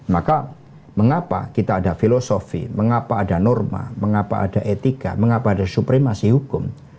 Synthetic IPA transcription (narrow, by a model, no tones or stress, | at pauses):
maka | məŋapa̰kit̪aːdafilosofḭməŋapaːdanɔrma̰məŋapa̰ʔːdaʔet̪ika̰məŋapaːdasupɾimasiɦukʊm